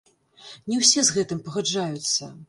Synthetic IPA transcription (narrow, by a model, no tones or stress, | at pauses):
nʲɛwsʲɛzɣɛt̪ɨmpɐɣad͡ʐajut̪sːɐ